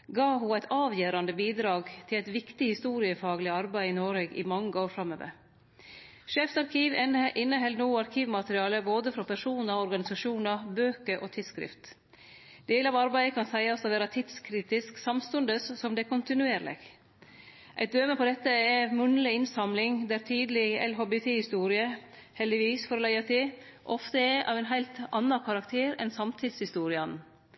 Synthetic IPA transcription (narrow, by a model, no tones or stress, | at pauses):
ɡɑːɦʊæɪt̪ʰɑːʋjeːɾɑnd̪əbiːd̪ɾɑːɡt̪ʰɪlæɪt̪ʋɪkt̪ɪhɪst̪uːɾɪəfɑːɡlɪɑɾbæɪɪnoːɾeːɡɪ̰mɑŋːəoːɾfɾɑmːø̰ːʋə̰ɾ | ʂeːfsɑɾkʰiːʋʔɪnːəɦɛld̪noːɑɾkʰiːʋmɑt̪əɾɪɑːləboːd̪əfɾɔpʰæʂuːnɑɾɔɾɡɑnɪsɑʂuːnəbøːkəɾʔoːt̪ʰɪlskɾɪ̰ft̪ | d̪̥eːləɑʋɑɾbæɪəkʰɑnsæɪɑsɔʋæːɾɑt̪ʰɪt̪skʰɾiːt̪ɪsksɑmst̪ʉnd̪əsːɔmd̪ɛkʊnt̪ɪnʉeːɾlɪ̰ɡ̥ | ʔæ̰ɪd̪øːməpʰɔd̪ɛt̪ːəɛmʉnlɪɪnsɑmlɪŋd̪æːɾt̪ʰiːd̪lɪɛ̰lɦoːbɛt̪ʰeːhɪst̪uːɾɪə | hɛld̪ɪʋiːsfɔɾlæɪɑt̪ʰeː | ʔɔft̪əɛʔɑ̰ːʋɛɪnɦæɪlt̪ɑnːɑkʰɑɾɑkt̪ʰeːɾɛ̰nsɑmt̪ʰɪd̪shɪst̪uːɾɪɑn